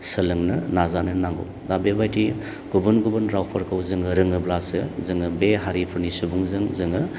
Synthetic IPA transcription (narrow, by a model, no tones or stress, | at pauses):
sɯlɯŋnɯnazanɯnaŋɡṵ | dabebajtʰi | ɡ̥ubɯnɡubɯnɾawpʰɐɾkʰawzɯŋɯɾɯŋɯblasɯzɯŋɯbeɦaɾipʰɯɾnisubuŋzɯŋzɯŋɯ